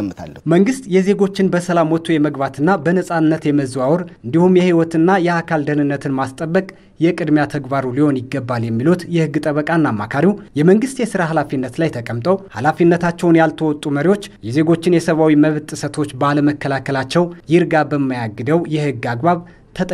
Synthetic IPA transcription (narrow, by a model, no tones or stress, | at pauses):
mːt̪ʰa̰lːməŋɡɨst̪jɛze̞ɡo̞t͡ʃːɪnbəsəlamwɔt̪ʰːujɛməɡbat̪ɨnːabənəsʼanːət̪jɛməzwawɔɾʔɨnd̪ihumjɛhiwɔt̪ʰɨnːajɛakʰald̪ənɨnːət̪ʰɨnmast̪ʼəbːəkʼ | jɛkʼɨd̪mjat̪ʰəɡbaɾuliho̞njɪɡːəbːaljɛmːilut̪jɛhɨɡːɨt̪ʼəβəkʼanːamːakʰaɾiwjɛməŋɡɨst̪jɛsɨɾaɦalafinːət̪lajt̪ʰəkʼəmt̪ʼəwhalafinːət̪ʰat͡ʃːɛwnjalt̪ʰəwɔt̪ʼːuməɾiwo̞t͡ʃːjɛze̞ɡo̞t͡ʃːɪnjɛsəβawiməβt̪ʼɨsət̪ʰo̞t͡ʃːbaləməkːəlakʰəlat͡ʃːɛwjɪɾɡabəmːajaɡɨd̪əwjɛhɨɡːaɡbaβ | t̪ʰət̪ʼ